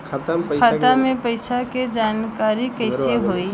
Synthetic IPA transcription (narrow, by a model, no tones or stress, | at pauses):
kʰak̪amẽpəɪsaked͡ʒankaɾikəɪseɦoi